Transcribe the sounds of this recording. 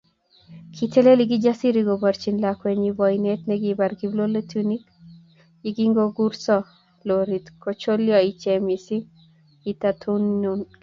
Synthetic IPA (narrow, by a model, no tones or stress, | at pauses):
kʰiteleliɡid͡ʒasiɾiɡobaɾt͡ʃinlakweɲibɔjnet̪nɛɡibaɾɡiblolet̪unik | iɡiŋɡoɡuɾsɔ | loɾit̪kot͡ʃoljɔit͡ʃemisiŋ | it̪at̪ʰunun